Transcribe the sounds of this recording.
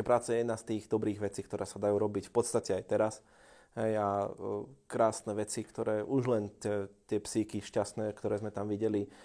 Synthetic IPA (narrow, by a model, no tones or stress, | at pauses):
pɾaːt͡sajɛjɛd̪naːst̪iːɣd̪ɔbɾiːɣʋɛt͡siːkt̪ɔɾʔɛːsad̪ajuːɾɔbicfpɔt̪st̪acɛajt̪ɛɾas | ɦɛja | kɾaːsnɛʋɛt͡sikt̪ɔɾɛːʔuʒlɛnt̪ɛt̪ɪɛpsikiʃcasnɛːkt̪ɔɾɛːzmɛt̪amʋiɟɛli